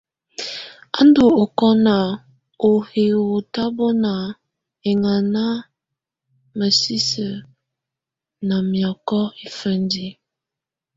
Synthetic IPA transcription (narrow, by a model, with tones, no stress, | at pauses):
a̰˦n˦do˨o˨kɔ˦na˨ | o˨he˨o˨ta˦bɔ˦na˨ | e˨ŋa˨na˦ | mə˨si˦sə˨ | na˨mjɔ˨kɔ˦i˨fə˦n˦di˦